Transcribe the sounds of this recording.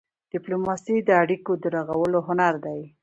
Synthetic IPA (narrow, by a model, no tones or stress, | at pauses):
d̥ɪplomɑsid̪əaɽikod̪əɾaɣawəloɦʊnaɾd̪aj